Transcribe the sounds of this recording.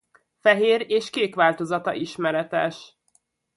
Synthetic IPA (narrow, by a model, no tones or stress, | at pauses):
fɛɦeːɾeːʃkeːkʋaːlt̪o̞zɒt̪ɒ̰ʔiʃmɛɾɛt̪ɛʃ